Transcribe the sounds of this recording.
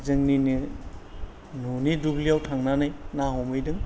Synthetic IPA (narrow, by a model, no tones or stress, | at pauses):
zɯŋninɯ | nuniduɡliawtʰaŋnanɯjnaɦɔmɯjdɯŋ